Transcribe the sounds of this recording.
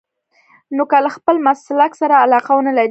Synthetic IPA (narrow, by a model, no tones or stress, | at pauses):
nokalaxpəlmaslaksaɾaːlɑqawnalaɾ